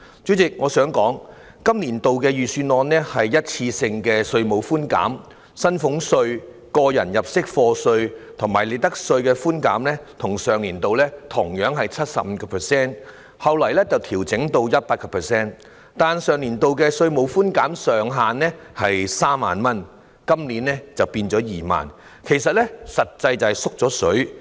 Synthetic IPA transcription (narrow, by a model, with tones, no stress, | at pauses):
t͡sy˨˥t͡sɪ˨k̚ŋɔː˨˧sœː˨˥ŋkɔː˨˥ŋ | kɐ˥mliː˨˩nt̪o˨wkɛː˧jyː˨˩syː˧nɔː˧nɛ˥hɐ˨jjɐ˥t̚t͡sʰiː˧sɪ˧ŋkɛː˧sɵ˧ɥmo˨˧wfuː˥nka̰ː˨˥m | sɐ˥nfʊ˨˥ŋsɵ˧ɥ | kɔː˧jɐ̰˨˩njɐ˨˩p̚sɪ˥k̚fɔː˧sɵ˧ɥt̪ʰʊ˨˩ŋmaː˨˩jle˨˧jt̪ɐ˥k̚sɵ˧ɥkɛː˧fuː˥nka̰ː˨˥mlɛː˥t̪ʰʊ˨˩ŋsœː˨ŋliː˨˩nt̪o˨wlɛː˥t̪ʰʊ˨˩ŋjœː˨˥ŋɦɐ˨jt͡sʰɐ˥t̚sɐ̰˨p̚m̩˨˧kɔː˧pʰɛ˨˩sɛː˥˩n | hɐ˨wlɐ˨˩jlɛː˥t͡sɐ˨wt̪ʰiː˨˩wt͡sɪ˨˥ŋt̪o˧wjɐ˥t̚paː˧t̚kɔ˧pʰɛ˨sɛː˥n | t̪aː˨nsœː˨ŋliː˨˩nt̪o˨˧wkɛː˧sɵ˧ɥmo˨˧˥wfuː˥nkaː˨˥msœː˨ŋɦaː˨nːɛ˥ | hɐ˨jsaː˥mːa̰ː˨nmɐ˥n | kɐ˥mliː˨˥nlɛː˥t͡sɐ˨wpiː˧nt͡sɔː˨˥jiː˨ma̰ː˨n | kʰe˨˩jsɐ˨t̚lɛ˥sɐ˨t̚t͡sɐ˧jt͡sɐ˨sʊ˥k̚t͡sɔː˨˥sɵ˨˥ɥ